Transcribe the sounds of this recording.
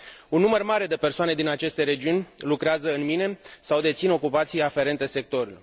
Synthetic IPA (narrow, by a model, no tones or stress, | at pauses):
unːumərmaɾe̞d̪e̞pe̞rsoane̞d̪inat͡ʃe̞st̪e̞ɾe̞d͡ʒiunʲlukɾeazəɨnmine̞sawd̪e̞t̪sino̞kupat̪sijafe̞ɾe̞nt̪e̞se̞k̚t̪o̞ɾulo